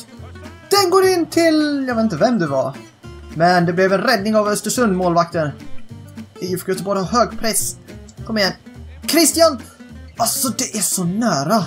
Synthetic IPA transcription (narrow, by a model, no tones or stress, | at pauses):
d̪̥ɛnɡoːɾɪnːt̪ʰɪljɑveːt̪t̪əvɛmd̪ʉva̰ɾ | mɛnd̪ɛblɛvɛnɾɛd̪nɪŋavœst̪əʂɵnd̪moːlvak̚t̪ən | ɪfɔkjɵt̪əbɔɾhɑɦøːɡpʰɾɛskʰɔmɪjɛnːkʰɾɪst̪ɪjanalsɔd̪ɛʔæʂɔnæːɾa